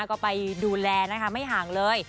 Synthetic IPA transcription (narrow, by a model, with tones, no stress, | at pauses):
kɔː˥˩pa˧jduː˧lɛː˧na˦˥kʰa˦˥ma˥˩jɦaː˩˦ŋlɤː˧j